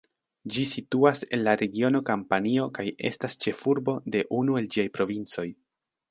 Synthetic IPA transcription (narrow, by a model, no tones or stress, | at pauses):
d͡ʒisituase̞̰nlaɾe̞ɡio̞no̞kampanio̞kaje̞̰stast͡ʃe̞fuɾbo̞de̞ʔunue̞ld͡ʒiajpɾo̞vint͡so̞j